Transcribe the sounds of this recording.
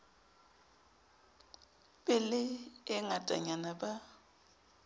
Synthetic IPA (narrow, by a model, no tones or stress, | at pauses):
bʼɪlɪɪŋatʼa̰ɲanaba